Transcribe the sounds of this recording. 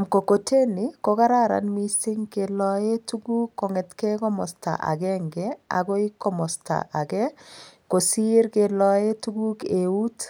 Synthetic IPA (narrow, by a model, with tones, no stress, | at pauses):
a˨mko˨ko˨tʰe˦ni˨ko˦ka˦ɾa˦ɾa̰˨nmi˦sɪ˦ŋke˨lɔ˦e˦tu˦ɡu˦kːɔ˨ŋɛ˨tkɛ˦kɔ˦mɔ̰˨sta̰˨ʔa̰˨ɡɛ˦ŋɡɛ˦a̰˨ɡo˦i˦kːɔ˦mɔ˨sta̰˨ʔa˨ɡɛ˦ko˨si˦ɾke˨lɔ˦e˦tu˦ɡu˦ke˨u˦t